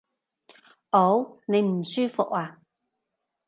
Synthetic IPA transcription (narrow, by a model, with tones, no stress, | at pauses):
ʔo˨˥wne˨˧jm̩˨˩syː˥fʊ̰˨k̚aː˧˨